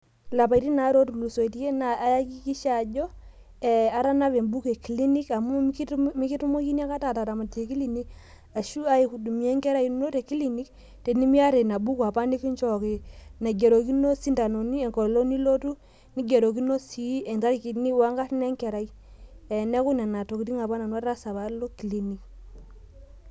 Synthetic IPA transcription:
la˨pa˨i˦ti˦na˨˦ɾo˦tu˨lu˨so˨i˨ti˦je˦na˨a˦ja˦ki˦ki˦ʃa˨d͡ʒɔ˦ | ɛ˨a˦ɾa˦na˦βe˨mbu˦ke˨ki˨li˦ni˦ka˨mu˦mi˦ki˦tu˦mo˦ki˦ni˦a˦ka˦ta˨ta˨ta˨ma˨te˨ki˦li˨ni˦k | a˨ʃu˦a˦i˨ku˨du˨mi˨˦ɛ˦ŋkɛ˦ɾa˦i˦no˦te˨ki˦li˨ni˦k | te˨ni˦mi˦a˦ɾe˨na˨bu˦kwa˨pa˦ni˦ki˦ɲt͡ʃɔ˦ki˨na˨ɡe˨ɾo˨ki˦no˦si˦nda˨no˨ni˦ɛ˨ŋkɔ˨lo˦ni˦lo˦tu˦ | ni˦ɡe˨ɾo˨ki˦no˦si˨˦ɛ˨nta˦ɾi˨ki˨ni˦wa˦ŋɡa˦tnɛ˦ŋkɛ˨ɾa˨i˦ | ɛ˨nɛ˦ku˦nɛ˨na˨to˨ki˨ti˦ŋa˨pa˦na˨na˦ɾa˦sa˨βa˨lo˦ki˨li˨˦ni˨k̚

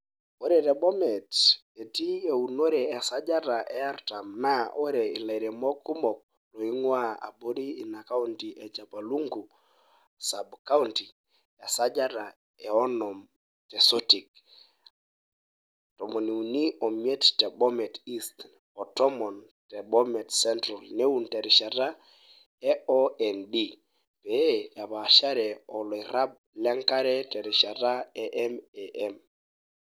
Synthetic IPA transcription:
o˦ɾɛ˦tɛ˨bɔ˦mɛ˨t | e˨ti˦e˨u˨no˦ɾɛː˨sa˦d͡ʒa˦ta˨ʔɛ˨a˦ɾta˨mnao˦ɾe˨i˨la˨i˨ɾe˨mɔ˦ku˦mɔ˨k̚ | lo˨i˦ŋwa˦a̰˨bo˦ɾiː˦˨na˨ka˦u˦nti˨ʔɛ˨t͡ʃa˨pa˨lu˦ŋɡu˨ | sa˨bka˦u˦nti˨ | ɛ˨sa˦d͡ʒa˦ta˨ | ɛ˨ɔ˦nɔ˨m | tɛ˨so˦ti˨k | tɔ˨mɔ˨ni˨u˨ni˦ɔ˨mje˦ttɛ˨bɔ˦mɛ˨ti˦st | ɔ˨tɔ˦mɔ˨n | tɛ˨ɓɔ˦mɛ˨tsɛ˦ntɾɔ˨lne˦u˨ntɛ˨ɾɪ˨ʃa˨ɾa˦ | ɛ˦ɔ˦ɛ˨ndi˦ | pɛ˨˦ja˨βa˨ʃa˦ɾɛ˨ɔ˨lɔ˨i˨ɾa˦b̚ | lɛ˦ŋka˦ɾɛ˦tɛ˨ɾɪ˨ʃa˨ɾa˦ɛ˦ʔɛ˦mɛ˨ʔɛm

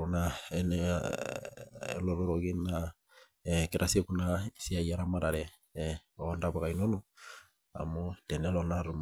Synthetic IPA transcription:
onaɛn | lo˨lo˦ɾoɡi˦na | ke˨ɾʔasi˦ekuna˦si˦a˨ja˦ɾama˦ɾa˨ɾɛ | ɔndaβa˨ka˨ino˦no˦ | a̰˨mo˦tɛ˨nɛ˦lɔ˨na˦ɾu˨m

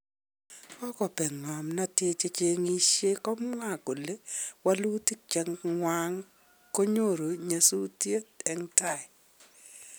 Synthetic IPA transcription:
kɔ˦kɔ˨pɛ˨ŋɔ˨mna˦tɪ˦t͡ʃe˦t͡ʃe˦ŋi˦ʃje˦kɔ˦mŋa˦˨ko˨le˦wa˦lu˦ti˦k̚t͡ʃɛ˦ŋŋwa˦ŋ | ko˦ɲo˦˨ɾo˨ɲa˨su˦tje˦tɛ˦ŋta˦˨ɪ˨

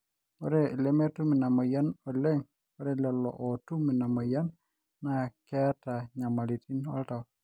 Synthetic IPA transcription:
ɔ˦ɾɛ˨lɛmɛ˦tu˦mi˨na˨ma˨ja˦nɔ˨lɛ˦ŋ | ɔ˦ɾɛ˦lɛ˨lːɔ̰˨ʔɔ˨tu˦mi˨na˨ma˨ja˦nː | akɛ˦ta˨ɲa˨ma˨liti˦nwa̰˦lta˨w

